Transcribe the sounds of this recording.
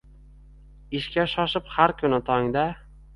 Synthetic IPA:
ɪʃkʲaʃɒʃɪphaɾkʰʊnɪt̪ʰɒŋd̪a

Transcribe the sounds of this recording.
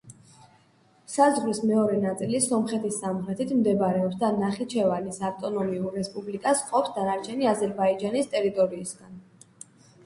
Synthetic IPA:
sazʁlismɛɔɾɛnat̪sʼilisɔmχɛt̪ʰisːamχɾɛt̪ʰit̪ʰmd̪ɛbaɾɛɔpsd̪anaχit͡ʃʰɛvanisaft̪ʼɔnɔmiuɾːɛspʼublikʼasqʼɔpsd̪anaɾt͡ʃʰɛniazɛɾbaid͡ʒanist̪ʼɛɾit̪ʼɔɾiːsɡ̥an

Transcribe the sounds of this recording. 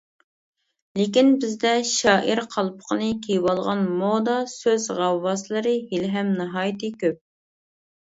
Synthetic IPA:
lekʲinbɪzd̪ɛʃɑːʔiɾqʰɑlˠpʰə̥qʰənɨkʲʰejwɑlˠʁɑnmod̪ɑsøzʁɑwːɑsɨlˠɨɾɨɦilɦɛmnɨɦɑːjt̪ɨkʲøp̚

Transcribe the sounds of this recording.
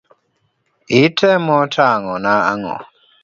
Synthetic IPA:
itʰɛmɔtʰaŋɔnaa̰ŋɔ̰

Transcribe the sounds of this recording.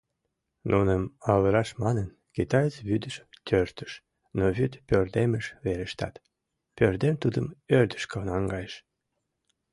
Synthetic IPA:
nunəmɑβəɾɑʃmɑnən | kit̪ɑjət͡sβyd̪əʃt̪ʲʰørt̪ə̥ʃ | noβyt̪pʲørd̪eməʃβeɾeʃt̪ɑ̰t̪ | pørd̪emt̪ud̪əmørd̪ə̥ʃkənɑŋɡɑjəʃ

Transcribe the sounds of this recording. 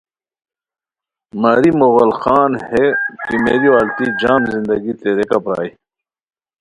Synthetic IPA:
maɾimoɣɐlxaːnhekimeːɾiwaːlt̪id͡ʑaːmzind̪ɐɡit̪eːɾekapɾa̰ːi

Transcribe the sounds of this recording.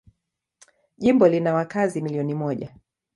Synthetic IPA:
ʄimbɔlinawakazimiliɔnimɔʄa

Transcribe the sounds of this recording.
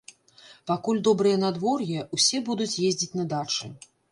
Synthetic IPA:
pakulʲd̪ɔbɾɨjɛnad̪vɔrjɛusʲɛbud̪ut͡sʲjezʲd͡zʲit͡sʲnɐd̪at͡ʂɨ

